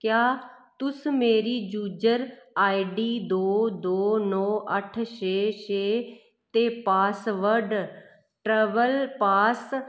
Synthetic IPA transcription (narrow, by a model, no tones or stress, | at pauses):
kjaːt̪ʊsmeːɾiːd͡ʒuːd͡ʒəɾaːiɖiːd̪oːd̪oːnɔːʔəʈʰʃeːt͡ʃeː | t̪eːpaːsʋəɾɖ | ʈɾeːʋəlpaːs